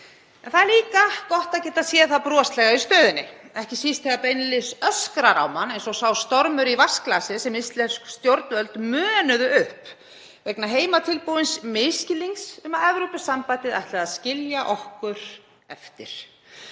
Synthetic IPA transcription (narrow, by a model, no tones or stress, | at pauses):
ɛ̰nθaðɛɾliːkakɔht̪aðcɛːt̪asjɛːθaðpɾɔast̪lɛɣaist̪œːðɪnːɪ̰ | ɛhcɪsist̪θɛɣapejnɪlɪsœskɾaɾa̰wmanejnsɔɣsaːwst̪ɔɾmʏɾivasklaːsɪsɛmɪst̪lɛfskst̪jowɾt̪nvœlt̪mœːnʏðʏʔʏhp | vɛknaɦeːjmat̪ʰɪlpuwɪnsmejscɪliŋsʏmaðɛvɾowpʏsːampajt̪ɪðajht̪laðaðscɪljaʔɔhkʏɾ̥ | ɛft̪ɪɾ̥